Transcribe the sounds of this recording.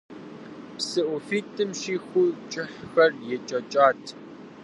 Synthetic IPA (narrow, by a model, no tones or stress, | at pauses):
psɨʔʊfiːtʰʼɨmʃiːxut͡ʃʼɪħxɐrjɛt͡ʃʼɐt͡ʃʼaːtʰ